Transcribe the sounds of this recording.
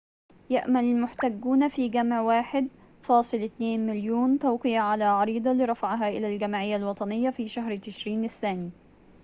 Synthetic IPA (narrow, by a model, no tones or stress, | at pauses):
jaʔmalɪlmʊħt̪aɡːuːnfiːɡamʕwaːħɪd̪ | fɑːsˤɨlɪt̪neːnmɪljoːnt̪aːqɨjaʕalaːʕɑɾiːd̪ˤɑliɾˤɑfaʕɦaʔɪlaːlɡamaʕɪjːalwɑt̪ˤɑnɪjːafiːʃaɦɾt̪ɪʃɾiːnɪθːaːniː